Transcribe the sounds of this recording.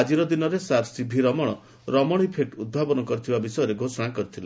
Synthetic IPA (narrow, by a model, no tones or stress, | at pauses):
ad͡ʒiɾɔd̪inɔɾesaɾsibʱiɾɔmɔɽ̃ɔ | ɾɔmɔɽ̃ipʰeʈud̪̚bʱabɔnɔkɔɾit̪ʰibabisɔjɔɾeɡʱosɔɽ̃akɔɾit̪ʰila